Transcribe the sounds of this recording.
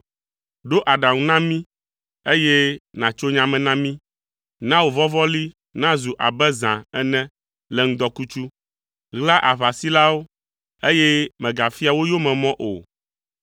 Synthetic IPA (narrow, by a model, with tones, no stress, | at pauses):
ɖo˦ʔa˨ɖã˨ŋũ˦nã˦mĩ˦ | e˦je˦nã˨t͡ʃo˦ɲã˨mɛ̃˨nã˦mĩ˦ | nã˦wo˨vɔ˦vɔ˦li˦ | nã˦zu˨ʔa˨bɛ˦zã˨ɛ˦nɛ̃˦ | lɛ˨ŋ̩̃˦d̪ɔ˦ku˦t͡ʃu˦ | ɣla˦ʔa˨βa˨si˦la˦wo˦ | e˦jɛ˦mɛ̃˨ɡa˨fi˦a˨wo˦jo˦mɛ̃˨mɔ̃˦ʔo̰˨